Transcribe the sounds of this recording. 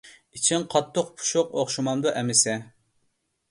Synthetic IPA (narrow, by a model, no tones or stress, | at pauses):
it͡ʃʰiŋqʰɑt̪ʰːoqpʰu̥ʃʊqoχʃumɑmd̪uʔɛmɪsɛ